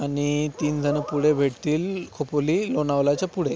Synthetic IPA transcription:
aɽ̃it̪iːnd͡zʱənəpuɽ̤ebʱeʈt̪iːlkʰopoliːlonaʋlat͡ɕapuɽ̤e

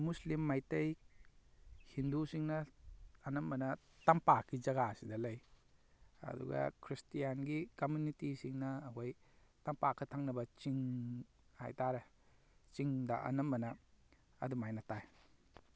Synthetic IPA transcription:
muslimːajtej | hindusiŋnɐɐnɐmbɐnɐ | tampakid͡ʒɐɡasidɐlɐj | ɐ̰dṵɡɐ̰kʰɾistijanɡikomunitisiŋnɐːɦojtampakʰɐtʰaŋnɐbɐt͡ʃiŋ | hajtaɾe | t͡ʃiŋdaʔɐ̰nɐmbɐnɐ | ɐ̰dumajnataj

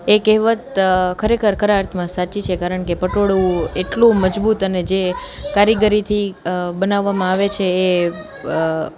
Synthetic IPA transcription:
ekeɦʋət̪kʰəɾekʰəɾkəɾaɾt̪ʰmãsat͡ʃit͡ʃʰekaɾəɳkepəʈoɭũeʈlũməd͡ʒbut̪əned͡ʒe | kaɾjəɡəɾit̪ʰibənaʋːamãaʋet͡ʃʰeː

